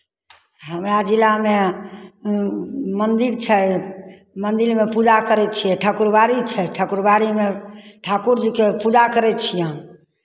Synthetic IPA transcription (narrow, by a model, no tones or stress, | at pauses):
ɦəmɾad͡ʒilame | mənd̪iɾt͡ʃʰɛ | mənd̪iɾmepud͡ʒakəɾɛt̪̚t͡ʃʰijɛʈʰəkuɾbaɾit͡ʃʰɛʈʰəkuɾbaɾimeʈʰakuɾd͡ʒikepud͡ʒakəɾɛt̪̚t͡ʃʰijɛ̃